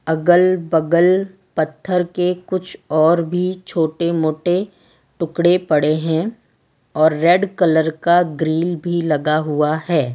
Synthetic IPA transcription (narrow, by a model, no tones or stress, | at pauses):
ɐɡəlbɐɡəl | pɐt̪ʰːəɾkekʊt͡ʃʰɔːɾbʱit͡ʃʰoːʈemoːʈe | ʈʊkɽepɐɽeɦɛ̃ | ɔːɾːɛːɖkɐləɾkaɡɾiːlbʱilɐɡaɦʊahɛː